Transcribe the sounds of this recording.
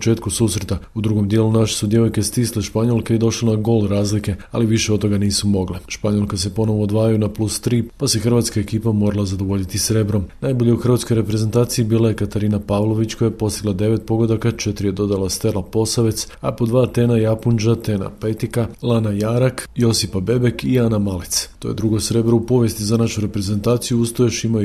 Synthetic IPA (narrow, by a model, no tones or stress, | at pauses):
t͡ʃe̞ːt̪kususɾet̪aud̪ɾuɡo̞md̪je̞lunaʃesud̪je̞ʋojke̞st̪iːsleʃpaɲo̞lˠkeid̪o̞ʃlenaɡo̞lɾaːzlike̞aliʋiʃeoo̞ɡaniːsumo̞ɡleʃpaɲo̞lˠkase̞po̞no̞ʋo̞ːd̪ʋaːjajunaplust̪ɾiːpasexr̩ʋat̪skae̞kiːpamo̞ɾalˠazad̪o̞ʋo̞ʎit̪isɾe̞bɾo̞mnajbo̞ʎeuxr̩ʋat̪skoɾe̞pɾeze̞nt̪aːt̪siibiːlaje̞kat̪aɾiːnapaʋlˠo̞ʋit͡ɕkojajepo̞st̪iɡlˠad̪e̞ʋe̞t̪̚po̞ɡod̪akat͡ʃet̪ɾije̞d̪o̞d̪alˠast̪e̞lˠapo̞saʋe̞t̪s | apo̞d̪ʋaːt̪e̞najapund͡ʒat̪e̞ːna̰pet̪ikalˠanajaɾakjo̞sipabe̞be̞kianamalit̪st̪ojed̪ɾuɡo̞sɾe̞bɾoupo̞ʋjest̪izanaʃuɾe̞pɾe̞ze̞nt̪aːt̪sijuust̪ojeʃima